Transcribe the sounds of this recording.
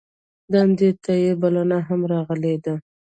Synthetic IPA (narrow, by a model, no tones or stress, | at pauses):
d̪and̪et̪ʰajebalanaɦamɾɑɣəled̪a